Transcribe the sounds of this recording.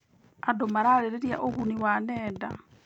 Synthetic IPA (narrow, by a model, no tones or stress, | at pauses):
adomaɾaɾeɾeɾja̰ʔoɣuniwanɛːda̰